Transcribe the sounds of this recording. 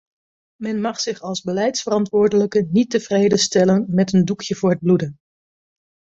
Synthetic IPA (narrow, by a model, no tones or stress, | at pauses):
mɛnmɑχsɪχɑlˠzbəlɛjtsfərɑntʋʊːɹdələkənitəv̥rejdəstɛlənmɛtəndukʰjəvʊːɹɦəd̚bludən